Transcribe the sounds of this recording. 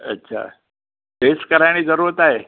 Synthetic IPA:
ə̰tːɕʰa̰ | peskəɾajñiːd͡zəɾuɾət̪aɦe

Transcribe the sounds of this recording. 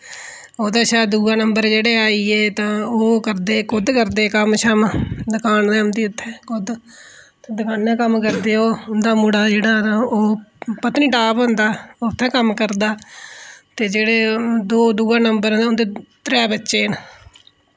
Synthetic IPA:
oːd̪aːʃɛːd̪uːãːnəmbəɾd͡ʒeːɽeːaːiːeːt̪ãːoːkəɾd̪eːkʰʊd̪kəɾd̪eːkəmʃʰəmd̪əkaːnd̪ɛːmd̪iːʊt̪ʰːɛ̃ːkʰʊd̪ | t̪ːd̪əkaːnːãːkəmkəɾd̪eːoːʊnd̪aːmuːɽaːd͡ʒeːɽaːnaoːpət̪niːʈaːpɦõnd̪aːoːt̪ʰːɛ̃ːkəmkəɾd̪aː | t̪eːd͡ʒeːɽeːd̪oːd̪uːãːnəmbəɾnd̪aʊnd̪eːt̪ɾɛːbətːʃeːn

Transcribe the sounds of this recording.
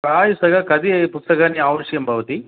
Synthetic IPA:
ɾaːjusɐkɐkɐd̪iɐpust̪ɐkaːniaːʋɐʂjɐmbʱɐʋɐt̪i

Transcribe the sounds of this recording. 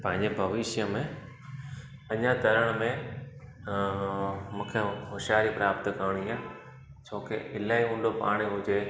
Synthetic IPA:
pɐ̃ɦɪ̃ɲd͡ʑebʱɐʋɪʃjəmẽ | ɐɲãt̪ɐɾəɽ̃mẽ | mũːkʰeɦʊʃjaːɾipɾaːpt̪kaːɽ̃iaː | t͡ɕʰoːkḛɪlaːiũːnɖopa̰ːɽ̃eɦʊd͡ʑe

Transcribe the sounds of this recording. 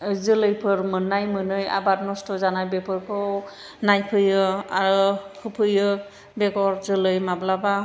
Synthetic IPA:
zɯlɯjpʰɯɾmɯnːajmɯnɯja̰batnɔstɔzanajbepʰɯɾpʰɯ | najpʰɯjɯa̰ɾɯhʰɯpʰɯjɯ | beɡɔɾzɯlɯjmablaba

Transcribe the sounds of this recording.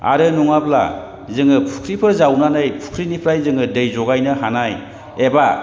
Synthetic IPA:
a̰ɾɯnuŋapla̰ | zɯŋɯpʰu̥kʰɾipʰɯɾzawnanɯjpʰu̥kʰɾinipʰɾajzɯŋɯdɯjzɔɡajnɯhanaj | eba

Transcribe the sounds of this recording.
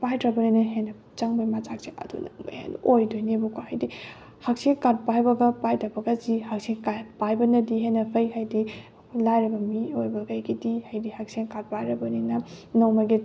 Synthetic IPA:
pajtɾɐbɐninɐɦenɐ | t͡ʃaŋbɐjmat͡ʃak̚seʔɐ̰dṵnɐ̰ŋma̰hḛnojdojnebukʰohajdi | hɐk̚seŋkat̚pajbɐɡɐpajtɐbɐɡɐzihɐk̚seŋkatpajbɐnɐdiɦenɐpʰɐjɦajdi | lajɾɐbɐmiojbɐkajɡidihajdihɐk̚seŋkat̚pajɾɐbɐninɐnɐwmɐɡi

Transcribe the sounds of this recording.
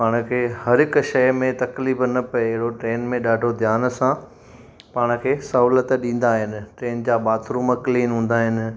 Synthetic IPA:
paːɽ̃kʰeːhɐɾɦɪkʃɐmẽt̪ɐkliːbnɐpɐeɪɦɪɽoʈɾeːnmẽɗaːɖʱod̪ʱjaːnsã | paːɽ̃ʊ̆kʰeːsɐɦuːlət̪ɗĩːn̆d̪aːɦɪnɪ̆ʈɾeːnd͡ʑaːɓaːt̪ʰɾuːməkliːnɦũːn̆d̪aːɦɪnɪ̆

